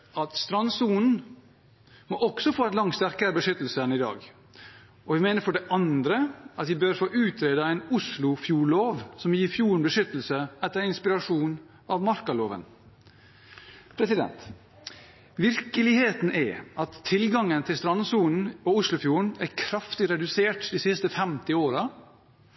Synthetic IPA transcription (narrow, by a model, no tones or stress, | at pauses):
ɑt̪st̪ɾɑnsuːn̩ | moʔɔɡsɔfoːɛnlɑŋst̪æɾkəɾəbəʂʏt̪l̩sənɪd̪ɑ̰ːɡ | ʔɔʋɪmeːnəɾfɔɖɛʔɑnd̪ɾəɑt̪ʋɪbøɾfoːʔʉːt̪ʰɾeːd̪ɑæɪnʊslʊfjuːɭoːʋsɔmjiːfjuːɾəɳbəʂʏt̪l̩səɛt̪ːəɾɪnspɪɾɑʂuːn | ɑʋmɑɾkɑloːʋə̰n | pʰɾɛsɪd̪ɛ̰nt̪ | ʋɪɾkəlɪheːt̪n̩ʔɛ̰ɑt̪ʰːɪlɡɑŋːənt̪ʰɪlst̪ɾɑnsuːln̩ɔʊslʊfjuːɳ̩æɾkʰɾɑft̪ɪɾɛd̪ʉseːʈd̪ɪsɪst̪əfɛmt̪ɪoːɾɑ